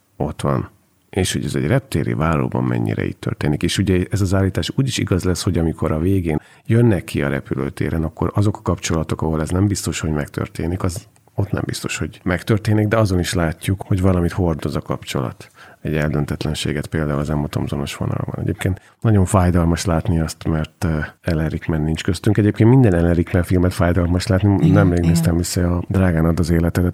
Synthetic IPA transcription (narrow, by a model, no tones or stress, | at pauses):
o̞t̪ʋɒn | eːʃho̞ɟɛzɛ̰ɟrɛp̚t̪eːɾḭvaːlːo̰ːbɒ̰mːɛ̰ɲːḭɾɛ̰ḭtt̪ːø̰rt̪eːnikeːʃuɟɛɛzɒzaːlːiːt̪aːʃuːɟiʃḭɡɒzlɛsho̞ɟɒmikʰo̞ɾɒveːɡeːn | jønːɛkʰːiɒ̰ɾɛ̰pylø̰ːt̪ḛːɾʔɛnɒkːo̞ɾɒzo̞kɒ̥kɒpt͡ʃo̞lɒt̪o̞kɒɦolɛznɛmbist̪o̞ʃho̞ɟmɛkt̪ʰø̰rt̪ḛːnikɒz | o̞t̪nɛ̰mbist̪o̞ʃho̞ɟmɛkt̪ørt̪eːniɡ̚d̪ɛɒzo̞niʃlaːcːukhoɟvɒlɒmit̪ho̞rd̪o̞zɒkɒpt͡ʃo̞̰lɒ̰t̪ɛɟɛld̪ønt̪ɛt̪lɛnʃḛːɡɛt̪peːld̪aːulɒzɛmot̪o̞̰mzono̞ʃʋo̞nɒ̰lbɒ̰nɛ̰ɟeːp̚keːnt̪ | nɒɟo̞ɱfaːjd̪ɒlmɒʃlaːt̪niɒst̪mɛrt̪ɛlɛɾikmɛnːint͡ʃkøst̪yŋkɛɟeːp̚kenmind̪ɛnɛlɛɾikmɛnfilmɛt̪faːjd̪ɒlmɒʃlaːt̪ninɛmreːɡnɛst̪ɛmvisɛɒd̪raːɡaːnɒd̪ːɒzeːlɛt̪ɛd̪ɛt̪